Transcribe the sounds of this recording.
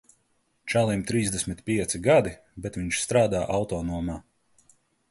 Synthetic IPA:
t͡ʃalˠimt̪ɾiːzd̪ɛsʲmʲit̪pʲiɛt̪siɡad̪i | bɛt̪viɲʃst̪ɾaːd̪aːʔawt̪ɔːnuɔmaː

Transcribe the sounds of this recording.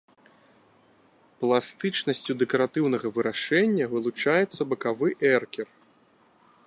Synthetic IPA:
plˠast̪ɨt͡ʂnɐsʲt͡sʲud̪ɛkɐɾat̪ɨwnɐɣɐvɨɾaʂɛnʲːɐvɨlˠut͡ʂajɛt̪sːɐbɐkavɨʔɛrkʲɛr

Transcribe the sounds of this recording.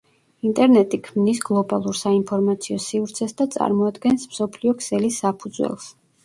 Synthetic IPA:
int̪ʼɛɾnɛt̪ʼikʰmnisɡlˠɔbalˠuɾsainpʰɔɾmat̪sʰiɔsivɾt̪sʰɛsd̪at̪sʼa̰ɾmɔad̪ɡɛnsmsɔpʰliɔkʰsɛlisːapʰud̪zwɛ̰lˠs

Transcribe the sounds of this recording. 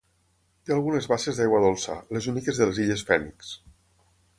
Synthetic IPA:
t̪ealˠɣunezβaʃezðajɣwaðolˠsa̰lezunikezðeleziʎesfɛnḭks

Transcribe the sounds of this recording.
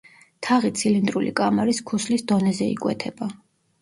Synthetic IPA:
t̪ʰaʁit̪sʰilind̪ʼɾulḭkʼamaɾiskʰuslisd̪ɔnɛzɛḭkʼwɛ̰t̪ʰɛb̥a

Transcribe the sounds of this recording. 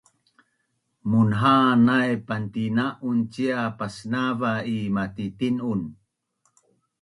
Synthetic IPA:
munɦanajpantinaʔunt͡ɕiapasnavaimatitinun

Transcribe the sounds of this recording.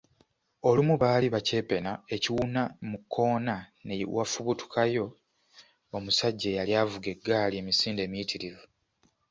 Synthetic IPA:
o̞lumuβaːliβace̞ːpe̞nae̞ciwunamukʰːo̞ːnanewafuβutu̥kʰajo̞ | omusaɟːejaljaːvuɡe̞ɡːaːlie̞misiːnde̞ːmiitʰiɾivu

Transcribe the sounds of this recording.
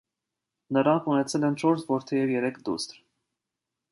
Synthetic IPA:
nəɾɑŋkʰunɛt͡sʰɛlɛnt͡ʃʰɔɾsʰvɔɾt̪ʰɛjɛvjɛɾɛkʰd̪ṵst̪ɾ

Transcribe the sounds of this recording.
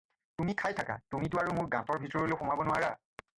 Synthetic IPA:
tumikʰajtʰaka̰tumitʊaɹumʊɹɡãtɔɹbʱitɔɹɔlewxɔmabɔnʊwaɹa̰

